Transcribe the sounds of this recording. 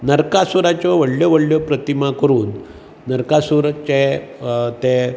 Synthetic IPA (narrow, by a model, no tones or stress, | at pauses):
nəɾkasuɾat͡ɕjɔʋəɽljɔʋəɽɭjɔpɾət̪imakəɾuːnː | əɾkasuɾt͡ɕe | t̪e